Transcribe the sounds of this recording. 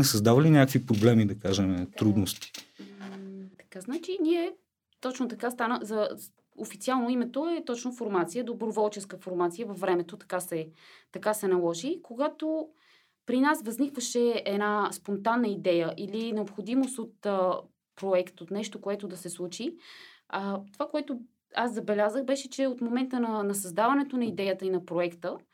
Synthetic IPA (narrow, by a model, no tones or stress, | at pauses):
nɛsəzd̪avɐlinʲjakəkvipɾoblɛmid̪ɐkaʒɛmɛt̪ɾud̪nost̪i̥ | t̪ɐ̥kaznat͡ʃiniɛ | t̪ɔt͡ʃnot̪ɐkast̪anəzɐ | ofit̪ialˠnoimɛt̪oɛt̪ɔt͡ʃnofoɾmat̪sijəd̪obɾovɔlˠt͡ʃɛskəfoɾmat̪sijəvɐfːɾɛmɛt̪ot̪ɐ̥kasɛt̪ɐkasɛnɐlˠɔʒikoɡat̪o | pɾinasvəznikvəʃɛɛd̪naspont̪anːəid̪ɛjəʔilinɛopxod̪imost̪ot̪ə | pɾoɛkt̪ot̪nɛʃt̪okoɛt̪od̪ɐsɛslˠut͡ʃi | ət̪ovakoɛt̪o | aszɐbɛlʲazəxbɛʃɛt͡ʃɛot̪momɛnt̪ənɐnɐsɐzd̪avɐnɛt̪onɐid̪ɛjət̪əinɐpɾoɛkt̪ə